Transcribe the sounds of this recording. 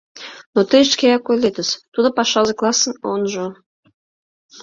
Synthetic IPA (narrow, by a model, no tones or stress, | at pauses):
not̪əʃkejɑkojlʲet̪ə̆st̪ud̪ŏpɑʃɑzĕklˠɑsə̆nonʒo